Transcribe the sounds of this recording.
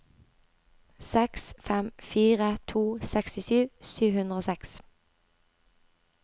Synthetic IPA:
sɛksfɛmfiːʁət̪ʰuːsɛkst̪ɪʃyːsyːʋhʉnʁəoːsɛks

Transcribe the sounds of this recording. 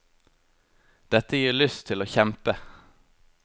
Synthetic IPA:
d̪̥ɛt̪əjiːɭʏst̪ʰɪloːçɛmpə

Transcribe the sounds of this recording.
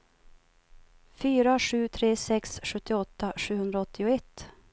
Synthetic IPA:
fyːɾaɧʉ̟ːt̪ʰɾeːsɛksɧɵt̪ːɪɔt̪ːaɧʉ̟ːhɵnd̪ɾaɔt̪ːɪʊɛt̪ː

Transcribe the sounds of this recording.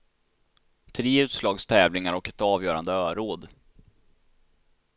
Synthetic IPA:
t̪ʰɾeːʉ̟ːt̪slɑːɡst̪ʰɛːvlɪŋaɾɔkɛt̪ɑːvjœːɾa̰nd̪əœːɾoːd̪

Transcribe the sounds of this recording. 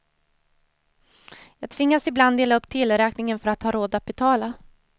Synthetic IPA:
jɑːɡ̚t̪ʰvɪŋːasɪbland̪eːlaɵpːt̪ʰɪlːɾɛːknɪŋənfœɾat̪hɑːɾoːd̪at̪̚bɛt̪ʰɑːla

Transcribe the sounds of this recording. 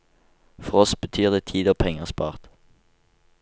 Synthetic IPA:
fɔʁɔsbət̪ʰyːʁd̪eːt̪ʰiːd̪oːpʰɛŋəʁspɑ̰ːʁt̪

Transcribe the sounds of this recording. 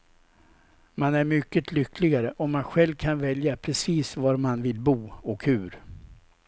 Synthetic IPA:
manæɾmʏkːət̪ʰlʏklɪɡaɾəʔɔmːanɧɛlvkʰanvɛljapʰɾɛsiːsvaɾmanvɪlbuːɔkhʉ̟ɾ

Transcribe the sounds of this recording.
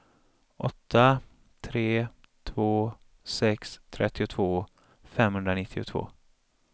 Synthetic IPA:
ʔɔt̪ːa | t̪ʰɾeː | t̪ʰvoː | sɛkst̪ʰɾɛt̪ʰːɪʊt̪ʰvoː | fɛmhɵnd̪ɾanɪt̪ʰːɪʊ̰t̪ʰvo̰ː

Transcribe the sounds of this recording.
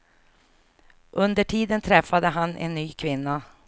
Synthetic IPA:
ʔɵnd̪əʈʰiːd̪ənt̪ʰɾɛfːad̪əɦanʔɛ̰nːyːkʰvɪnːa

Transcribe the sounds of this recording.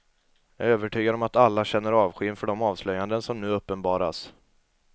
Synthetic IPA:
jɑːɡøːvəʈʰyːɡaɾɔmat̪alːaɕɛnːəɾɑːvɧɪːnfœɖɔmɑːvslœjand̪ənsɔmnʉ̟ːɵpːənbɑːɾa̰s

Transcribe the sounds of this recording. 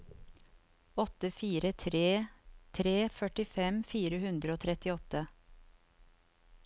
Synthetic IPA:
ɔt̪əfiːɾət̪ʰɾeːt̪ʰɾeːfœʈɪfɛmfiːɾəhʉnd̪ɾəoːt̪ʰɾɛt̪ɪɔt̪ə

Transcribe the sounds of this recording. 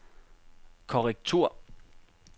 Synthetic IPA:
kʰɒʁɛɡ̥̚t͡sʰuɐ̰

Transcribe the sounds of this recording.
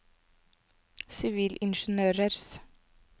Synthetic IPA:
sɪʋiːlʔɪnʃnøːɾəɾs

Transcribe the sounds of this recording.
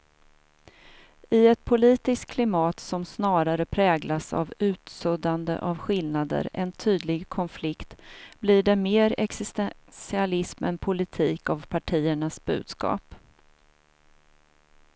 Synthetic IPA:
ɪɛt̪̚pʰʊliːt̪ɪskkʰlɪmɑːt̪sɔmsnɑːɾaɾəpʰɾɛːɡlasa̰vʉ̟ːt̪sɵd̪and̪ə̰ʔavɧɪlnad̪ə̰ɾɛ̰nt̪ʰyːd̪lɪɡkʰɔnflɪkt̪bliɖɛmeːɾɛksɪst̪ɛsɪalɪsmɛ̰npʰʊlɪt̪ʰiːkavpʰaʈʰiːəɳasb̥ʉ̟̰ːd̪skɑ̰ːp

